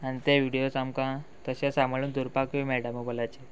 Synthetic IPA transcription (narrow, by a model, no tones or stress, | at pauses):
anit̪eʋiɽijosamkãt̪əɕãsãmbɭuːnd̪uɾpakʋimɛɽəməbolat͡ɕe